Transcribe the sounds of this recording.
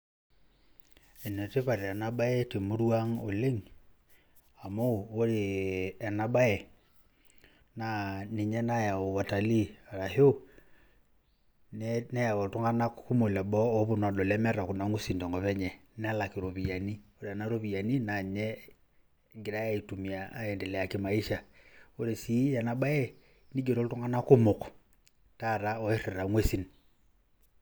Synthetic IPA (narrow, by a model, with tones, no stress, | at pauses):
e˨nɛ˨te˦pa˨ɾe˨a˨na˦ɓa˦ɛ˦te˨mu˦ɾwa˦ŋo̰˨le˦ŋ | a˨mo˦˨o˦ɾe˨a˨na˦ɓa˦ɛ˨ | na˨ni˨ɲɛ˦na˦ja˨o˨wa˨ta˨li˦a˨ɾa˨ɦo˦ | nɛnɛ˦ja˨wo˨to˦ŋa˦na˦kku˦mo˨lɛ˨ɓɔ˦o˦βo˨n˨a˨ɗo˨lɛ˦mɛ˦ɾa˨ku˨na˨˦ŋo˦si˨ndɔ˨ŋɡɔ˨pɛ˦ɲɛ˨ | nɛ˦a˦la˨kɪ˨ɾo˨βi˨ja˨ni˦o˦ɾe˨a˨na˦ɾo˦βi˨ja˨ni˦na˨ɲɛ˦ | ɡɪ˨ɾa˦ja˦i˨tu˨mi˨aː˨˦ɛ˨ndɛ˨lɛ˨a˨kɪ˦ma˨i˦ʃa˨o˦ɾe˨si˨˦ja˨na˨ɓa˦ɛ˦ | ni˦ɡe˨ɾo˦ltu˦ŋɡa˦na˦kʊ˦mʊ˨k | ta˦˨ɾa˦ɔ˨˦e˦ɾɛ˨ɾa˨ŋwe˦si˨n